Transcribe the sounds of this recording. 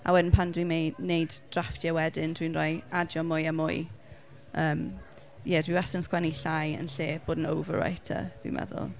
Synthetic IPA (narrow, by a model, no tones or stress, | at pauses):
ʔa̰wɛdɪnpʰandwimejnejdd̥raftʰjawɛdɪndwinrɔjadjɔmʊjamʊɨ | ʔəːm | jɛdwiwasənskwɛniɬajə̰nɬeːb̥oːdnowvə̰ɹa̰jtʰa̰d̥wḭmɛ̰ðʊ̰lˠ